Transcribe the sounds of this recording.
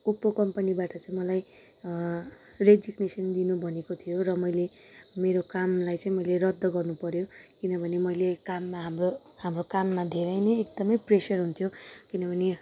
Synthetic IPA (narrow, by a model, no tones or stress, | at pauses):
upːokʌmpʌnibaʈʌt͡sãĩmʌlaj | red͡ziɡnesʌnd̪inubʱʌnekot̪ʰijoɾʌmʌjle | meɾokamlajt͡sãĩmʌjleɾʌd̪ːʌɡʌrnupʌɾjokinʌbʱʌnemʌjlekamːaɦmro | hamrokamːad̪ʱeɾʌjnʌjek̚d̪ʌmʌjpresʌrɦunt̪ʰjokinʌbʱʌne